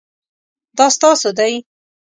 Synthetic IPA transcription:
d̪ɑst̪ɑsod̪aj

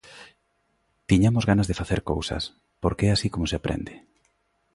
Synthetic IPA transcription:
t̪iɲamozɣanazðefaθeɾkowsa̰s | poɾkeɛasikomoseapɾʔḛnd̪e

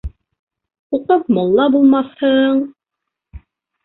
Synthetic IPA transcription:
uqɤp̚mɔlˠːɑbulˠmɑθhɤɴ

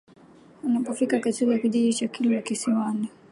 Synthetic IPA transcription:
unapɔfikakatiijakiʄiʄit͡ʃakʰilɔjakisiwani

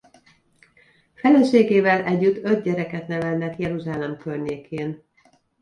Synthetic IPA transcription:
fɛlɛʃeːɡeːvɛlɛɟːyt̪ːø̞d̪̚ɟɛɾɛkɛt̪nɛvɛlnɛkjɛɾuʒaːlɛmkørɲeːkʰeːn

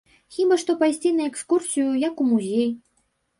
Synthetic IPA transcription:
xʲibɐʂt̪ɔpajsʲt͡sʲinɐɛkskursʲijujɐkumuzʲej

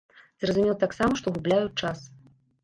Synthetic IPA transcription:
zrɐzumʲɛlˠɐt̪aksamɐʂt̪ɔɣublʲajut͡ʂas

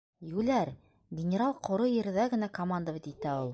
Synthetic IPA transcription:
jʉlæɾ | ɡʲɪnʲɪɾalˠqʰŏɾojɘ̆ɾ̆ðæɡɘ̆nækomand̪əβit̪it̪æulˠ

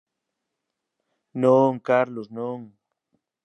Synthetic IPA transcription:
nõŋkaɾlosnõŋ

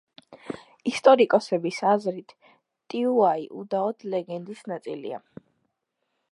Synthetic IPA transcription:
ist̪ʼɔɾikʼɔsɛbisazɾit̪ʰ | t̪ʼiuaiʔud̪aɔd̪̥ʰlɛɡɛnd̪isnat̪sʼḭlḭa̰

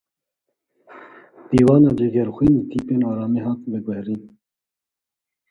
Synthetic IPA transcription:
d̪̥iːwɑːnɑːd͡ʒeːɡɛɾxʷwiːniːt̪ʰiːpeːnɑːɾɑːmeːɦɑːt̪bɨɡʷɛhriːn

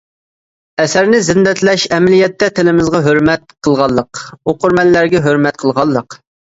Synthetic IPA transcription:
ɛsæɾnɪzɪnd̪ɛt̪ʰlɛʃɛmɪlijɛt̪ːɛt̪ʰɪlɪmɪzʁɑɦøɾmɛt̪̚qʰəlˠʁɑlˠːəqoqʊɾmɛlːæɾɡʲɛɦøɾmɛt̪qʰəlˠʁɑlˠːəq

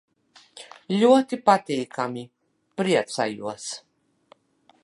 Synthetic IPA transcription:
lʲuət̪ipat̪ejkʰami | pɾiɛt̪t͡sa̰juɐs

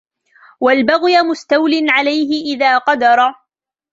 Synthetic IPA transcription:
walbaɣjamʊst̪awlɪnʕalajɦɪʔɪðaːqɑd̪ɑɾˤ

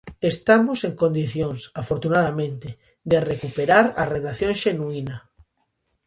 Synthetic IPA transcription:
est̪amoseŋkõnd̪iθjõŋsafoɾt̪unaðamẽnt̪ɪ | d̪erekupeɾaɾareðaθjõŋʃenuinɐ

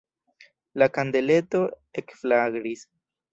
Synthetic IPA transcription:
lakande̞le̞to̞ | ekflaɡɾis

